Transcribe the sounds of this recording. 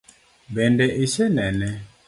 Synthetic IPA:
bɛndɛʔiʃɛnɛnɛ

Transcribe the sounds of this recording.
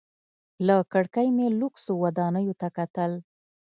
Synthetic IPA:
lakəɽkajmeluksowad̪ɑnəjot̪akat̪əl

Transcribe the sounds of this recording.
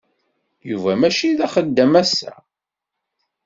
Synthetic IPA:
juvæmæʃiðæχəd̪ːəmæsːæ̰

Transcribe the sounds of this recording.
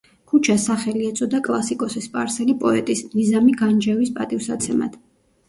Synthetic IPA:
kʰut͡ʃʰasaχɛliɛt̪sʼɔd̪akʼlˠasikʼɔsispʼaɾsɛlipʼɔɛt̪ʼisnizamiɡand͡ʒɛwispʼat̪ʼifsat̪sʰɛma̰d̪̥

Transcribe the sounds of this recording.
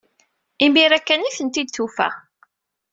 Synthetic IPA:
imiɾækːæniθənt̪id̪θufæ̰

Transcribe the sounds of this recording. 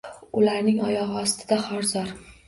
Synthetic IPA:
ʊlaɾnɪŋɒjɒʁɨɒst̪ʰɪd̪aχɒɾzɒɾ

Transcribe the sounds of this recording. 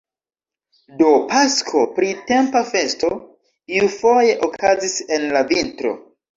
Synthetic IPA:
do̞paskʰopɾite̞mpafe̞sto̞ | iufo̞je̞ʔokʰazise̞nlavintɾo̞̰

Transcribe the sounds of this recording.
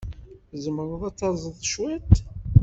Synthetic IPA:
zəməɾˤəðˤɑt͡sːɑzˤəðˤʃwit̪

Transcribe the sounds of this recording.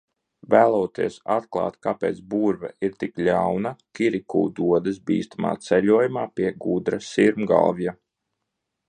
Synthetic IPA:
væːlˠuːt̪iɛsat̪klˠɑ̰ːt̪kapeːt̪sbuːɾvɛ̰iɾt̪iklʲawnakiɾikṵːd̪uɔd̪ɐsbḭːst̪ama̰ːt̪sɛʎuɔjumaːpʲiɛɡud̪ɾasiɾmɡa̰lˠvja

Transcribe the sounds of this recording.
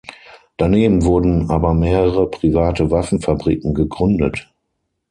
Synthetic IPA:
d̥aneːbm̩vʊɐdn̩aːbɐmeːʁəʁəpʁ̥ivaːtəvafn̩fabʁḭːkŋ̩ɡəɡʁʏndət

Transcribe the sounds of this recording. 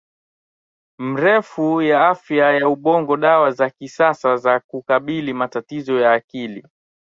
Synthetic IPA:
m̩ɾɛfujaafjajauɓɔŋɡɔɗawazakisasazakukaɓilimatatizɔjaːkili

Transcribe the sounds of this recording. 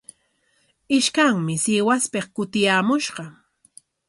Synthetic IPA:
ɪʃkaŋmɪsɪwaspeχkʊt̪ɪjaːmʊʃɢɑ

